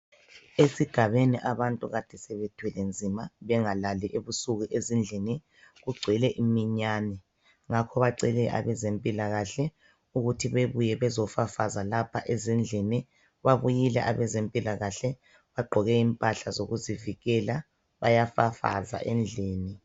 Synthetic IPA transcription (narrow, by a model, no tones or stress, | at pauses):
esiɡ̥ʱaβeniʔaβantʼuɣad̥ʱɛsɛβed̥ʰʱwɛlɛnd͡zʱimaβɛŋalaliʔeβusuɣuʔezind͡ɮʱini | ɣuɡ͡ǀʱɛlɛʔimiɲaːnɛ | ŋakʰɔβaǀɛlɛʔa̰βɛzempʼilaɣaɬɛ | uɣutʰiβeβujɛβɛzɔfafazalapʰaʔezind͡ɮʱini | βaβujilɛ̰ʔaβɛzempʼilaɣaɬɛ | βaɡ͡ǃʱɔɣɛimpʼaɬazoɣuziviɣɛla | βajafafa̰za̰ʔɛnd͡ɮʱeːni